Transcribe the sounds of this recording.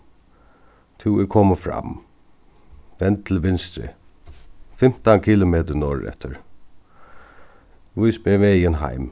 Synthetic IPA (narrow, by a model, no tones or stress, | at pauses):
t̪ʰuwɛɾkʰɔːməfɾa̰m | ʋɛnt̪̚t̪ʰɪlʋɪnst̪ɾɪ̰ | fɪm̥t̪ankʰiːlʊmeːt̪ənɔːɹɛ̰ht̪əɹ | ʋʊjsbɛʋɛːjənɦa̰jm